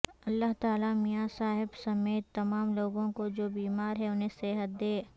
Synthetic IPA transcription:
ɐlːaɦt̪aːlamijasaːɦɪbsɐmeːt̪ːɐmaːmloːɡõkod͡ʒoːbiːmaːɾɦɛʊnɦẽseɦət̪̚d̪eː

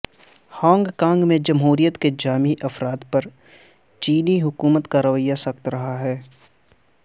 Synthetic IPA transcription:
hãːŋɡkãːŋɡmẽd͡ʒɐmɦuːɾijət̪ked͡ʒaːmiʔɐfɾaːd̪pɐɾ | t͡ʃiːniɦʊkuːmət̪kaɾɐʋəjːasɐkt̪ɾɐɦaɦɛː

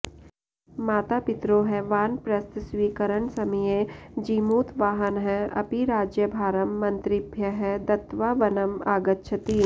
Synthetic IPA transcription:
maːt̪apɪt̪ɾoɦɛʋaːnpɾɐst̪sʋiːkəɾəɳsɐmijed͡ʒiːmuːt̪ʋaːɦənɦɛʔɐ̰piɾaːd͡ʒjəbʱaːɾəmːɐ̃nt̪ɾɪbʱjəɦɛd̪ɐt̪ʋaʋɐnəmaːɡət̪ːʃʰɐt̪iː

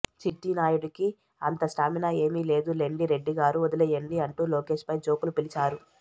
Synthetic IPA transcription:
t͡ʃiʈːinaːjuɽiki | ɐnt̪ɐsʈaːminɐe̞ːmiːle̞ːd̪ule̞ɳɖiɾe̞ɖːiɡaːɾuɔd̪ɐlɛjɐɳɖiɐɳʈuːloːke̞ːʂpɐjt͡ʃo̞ːkulupilit͡ʃaːɾu

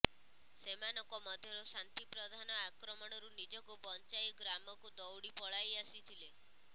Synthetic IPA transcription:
semanɔkɔmɔd̪ʱjɔɾɔsant̪ipɾɔd̪ʱanɔakɾɔmɔɽ̃ɔɾunid͡ʒɔkupɔnt͡ʃajɡɾamɔkud̪ɔwɽipɔɭajasit̪ʰile

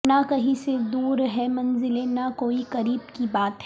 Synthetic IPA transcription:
nakɐɦĩsed̪uːɾɦɛmɐ̃nzɪlenakoːikɐɾiːbkibaːt̪ɦɛ

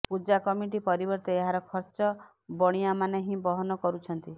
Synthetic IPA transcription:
pud͡ʒakɔmiʈ̬ipɔɾibɔɾt̪eeɦaɾɔkʰɔɾt͡ʃɔ | bɔɽ̃iamaneɦĩbɔɦɔnɔkɔɾut͡ʃʰɔnt̪i

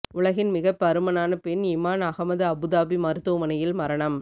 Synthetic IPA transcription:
ʊɭɐɣɪnmɪɣɐpːɐɾɯmɐnaːnɐpɪnɪmaːnɐɣɐmɐðɯɐbɯðaːbimɐɾɯt̪ːɯmɐnɐjɪlmɐɾɐɳɐm

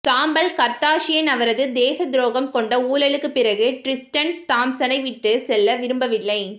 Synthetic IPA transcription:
t̪aːmbɐlkɐɾt̪aːʂɪjɐnɐʋɐɾɐðɯd̪eːsɐd̪ɾoːɣɐmkɔɳɖɐuːlɐɭɯkːɯpːɪɾɐɣɯʈɾɪsʈɐnt̪aːmsɐnɐɪʋɪʈːɯsɛlːɐʋɪɾɯmbɐʋɪlːɐɪ

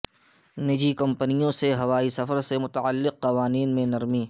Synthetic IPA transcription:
nɪd͡ʒikɐ̃mpənijõseɦɐʋaːisɐfəɾsemʊt̪aəlːɪqːɐʋaːniːnmẽnɐɾmiː

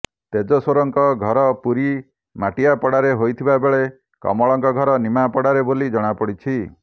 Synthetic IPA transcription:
t̪ed͡ʒɔsoɾɔŋkɔɡʱɔɾɔpuɾi | maʈijapɔɽaɾeɦojt̪ʰibabeɭe | kɔ̰mɔɭɔŋkɔɡʱɔɾɔnimapɔɽaɾebolid͡ʒɔɽ̃apɔɽit͡ʃʰi

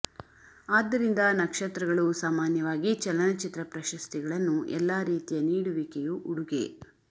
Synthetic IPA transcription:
aːd̪ːɐɾind̪ɐnɐkʂɐt̪ɾɐɡɐɭusaːmaːnjɐʋaːɡit͡ʃɐlɐnɐt͡ʃit̪ɾɐpɾɐʃɐst̪iɡɐɭɐnːuʔɛ̰lːaːɾiːt̪ijɐniːɽuʋikejuʔuɽuɡḛ

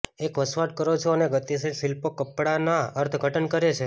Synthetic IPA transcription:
ekʋəsʋaʈ̚kəɾot͡ʃʰoəneɡət̪isilsilpokəpɽanaəɾt̪ʰɡʱəʈənkəɾet͡ʃʰe

